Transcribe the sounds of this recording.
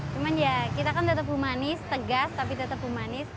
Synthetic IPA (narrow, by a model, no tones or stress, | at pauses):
t͡ʃumanjakit̪akandat̪əp̚ɦumanɪst̪əɡast̪ap̬idat̪əp̚ɦumanɪs